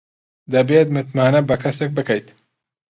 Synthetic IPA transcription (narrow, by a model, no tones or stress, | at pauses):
d̪ɐbeːt̪mɨt̪maːnɐbɐkʰɐsek̚bɨkɐjt̪